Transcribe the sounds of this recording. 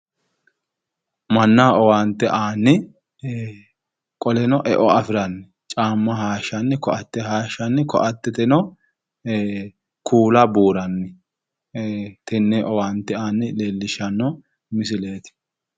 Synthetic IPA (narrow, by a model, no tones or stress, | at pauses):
mɐnːɐɔwaːnt̪ːɛʔaːnːɪ | kʼɔlɛnɔʔɛʔɔɐfɪɾɐnːɪ | t͡ʃʼaːmːɐɦaːʃːɐnːɪkɔʔɐt̪ːɛɦaːʃɐnːɪkɔ̰ʔɐt̪ːɛt̪ɛnɔ | kʰuːlɐbuːɾɐnːɪ | t̪ɛnːɛʔɔwaːnt̪ːɛaːnːɪleːlːɪʃɐnːɔ | mɪsɪle̞ːt̪ɪ̥